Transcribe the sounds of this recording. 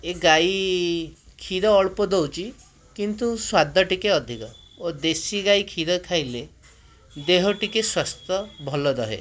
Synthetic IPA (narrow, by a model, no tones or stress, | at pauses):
eɡaj | kʰiɾɔːɭpɔd̪owt͡ʃʰi | kint̪uswad̪ʱɔʈikeɔd̪ʱikɔ | od̪esiɡajkʰid̪ɔkʰajle | d̪eɦɔʈikeswast̪ɔbʱɔlɔd̪ɔɦḛ